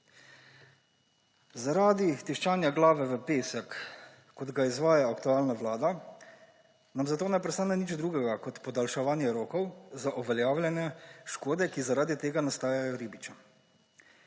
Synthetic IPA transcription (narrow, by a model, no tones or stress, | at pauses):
zaɾaːd̪it̪iʃt͡ʃaːnjaɡlaːʋɛʋəpeːsɛkː | ɔd̪ɡaizʋaːjaːkt̪uaːlnaʋlaːd̪a | namzat̪oːnɛpɾɛst̪aːnɛnid͡ʒd̪ɾuːɡɛɡakɔt̪pɔd̪alʃɛʋaːnjɛɾoːkɔwzaʔuʋɛljaːwlʲjɛnjɛʃkoːd̪ɛkizaɾaːd̪it̪eːɡanast̪aːjajɔɾiːbit͡ʃa